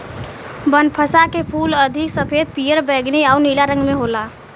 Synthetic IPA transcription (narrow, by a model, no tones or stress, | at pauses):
bənpʰəsakepʰuːləd̪ʱiksəpʰed̪̚pijəɾbəːɡniaunilaɾə̃ŋɡmeɦola